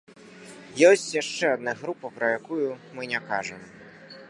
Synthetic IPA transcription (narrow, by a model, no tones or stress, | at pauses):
jɔsʲt͡sʲjaʂt͡ʂɛad̪naɣɾupɐpɾɐjakujumɨnʲakaʐɐm